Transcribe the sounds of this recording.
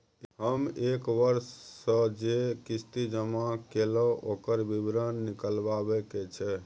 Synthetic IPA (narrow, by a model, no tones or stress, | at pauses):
ɦəmekʋəɾsːə̃d͡ʒekist̪id͡ʒəmakelɔʔokəɾbibɾənːikəlbabɛket͡ʃʰɛ